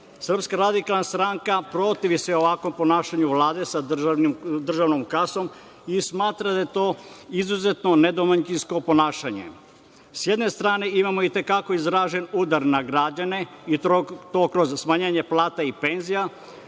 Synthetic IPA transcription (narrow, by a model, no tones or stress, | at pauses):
sr̩pskaɾad̪ikalˠnast̪ɾaŋkapɾo̞t̪iʋisʋeoʋakʋo̞mpo̞naːʃaɲuʋlaːd̪e̞sa | d̪r̩ʒaʋnomkaso̞m | ismaːt̪ɾad̪aje̞t̪o̞ːizuze̞t̪no̞ne̞d̪omaɲt͡ʃinsko̞po̞naːʃaɲe̞̰ | sje̞d̪ne̞st̪ɾaːne̞imamoit̪e̞kako̞izɾaːʒe̞nuːd̪aɾnaɡɾaːd͡ʑane̞it̪o̞ːkɾozsmaɲeːɲe̞plˠaːt̪aipe̞nzija